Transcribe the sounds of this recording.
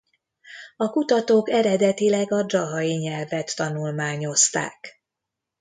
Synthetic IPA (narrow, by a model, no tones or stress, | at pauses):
ɒkut̪ɒt̪oːkɛɾɛd̪ɛt̪ilɛɡɒd͡ʒɒɦɒjiɲɛlvɛt̪ːɒnulmaːɲo̞st̪a̰ːk